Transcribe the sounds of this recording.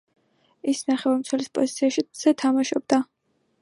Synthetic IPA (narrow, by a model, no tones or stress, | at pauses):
isnaχɛvaɾmt̪sʰwɛlispʼɔ̰zit̪sʰiaʃiz̥ɛt̪ʰamaʃɔbd̪a